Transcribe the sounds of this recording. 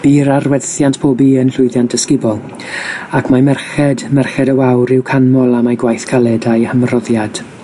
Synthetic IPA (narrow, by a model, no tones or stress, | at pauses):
b̥iːɾarwɛðθjantpʰoːbiənɬʊɨðjantd̥əskɪbɔlˠ | akʰmamɛrχɛdmɛrχɛdəwawɾɪwkʰanmɔlˠamaɡwajθkʰalˠɛdajhəmrɔðjad̥